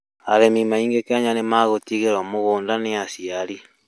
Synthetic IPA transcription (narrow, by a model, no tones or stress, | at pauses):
aɾemimaiːŋɡekeaɲanemaɣotiɣeɾɔmoɣoːndaneasiaɾi